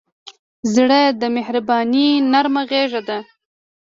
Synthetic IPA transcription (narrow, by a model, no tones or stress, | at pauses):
zɽad̪əmehɾabɑninaɾmaɣeʒad̪a